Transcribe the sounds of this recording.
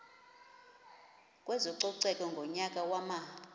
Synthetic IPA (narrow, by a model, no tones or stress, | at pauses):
kʼwɛzɔǀɔǀɛkʼɔŋɡʱɔɲakʼawama